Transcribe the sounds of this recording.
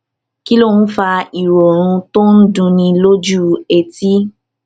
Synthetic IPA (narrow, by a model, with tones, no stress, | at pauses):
ki˦lo˦˨n̩˦fa˧i˨ɾɔ˨ɾ̃ũ˧to˦n̩˦dũ˧nĩ˧lo˦d͡ʒu˦e˨ti˦